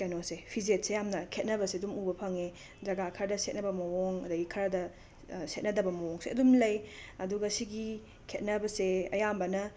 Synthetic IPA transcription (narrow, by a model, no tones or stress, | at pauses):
anosepʰiziet̚sejamnɐkʰet̚nɐbɐseɐdumubɐpʰɐŋe | d͡ʒɐɡakʰɐɾɐdɐset̚nɐbɐmɐwoŋɐdɐɡikʰɐɾɐdɐ | set̚nɐdɐbɐmɐwoŋseɐdumlɐjɐduɡɐsiɡi | kʰet̚nɐbɐseɐ̰jambɐnɐ